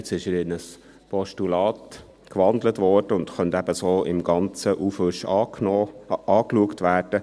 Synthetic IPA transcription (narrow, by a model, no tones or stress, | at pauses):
t͡sɪʃəɾɪnəs | pʰɔʃtulɑːt | kʋɑndlətʋɔrd̥əʊndxœntæbəsoːɪmɡɑnt͡səʔufʏʃ | ɑːkluəktʋæːrd̥ə